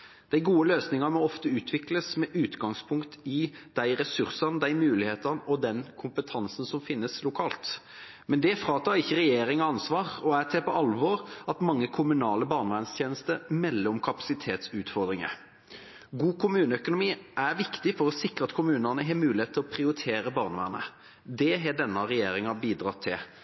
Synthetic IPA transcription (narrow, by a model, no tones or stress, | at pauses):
d̪̥æɪɡuːəløːsnɪŋəmɔɔft̪əʉːt̪ʰʋɪkləsmɛʔʉːt̪ɡɑŋspʰʊŋkt̪ɪd̪̥æɪɾɛsʉɾsɑnd̪æɪmʉːlɪheːt̪ənɔd̪ɛnkʰʊmpət̪ʰɑnsən̩sɔmfɪnːəslʊkʰɑːlt̪ | mɛnd̪ɛfɾɑːt̪ʰɑːɾɪçːəɾɛjeːɾɪŋɑɑnsʋɑːʁɔæt̪ʰɛpɔʔɑlʋɔɾɑt̪mɑŋːəkʰʊmʉnɑːləbɑːʁnʋæːnst̪ʰjeːnəst̪əɾmɛlːəɾɔmkʰɑpɑ̥sɪt̪ʰeːt̪sʉːt̪fɔʁd̪ɾɪŋə̰ | ɡuːkʰʊmʉːnəœkʊnʊmiːʔæɾʋɪkt̪ɪfɔɾɔsɪkɾəɑt̪kʰʊmʉːnənəɦeːmʉːlɪheːt̪ʰːɪlɔpʰɾɪʊɾɪt̪ʰeːɾəbɑːʁnʋæ̰ːʁnə̰ | d̪ɛɦɛɖɛnːɑʁɛjeːɾɪŋɑbiːd̪ʁɑːt̪ʰɪl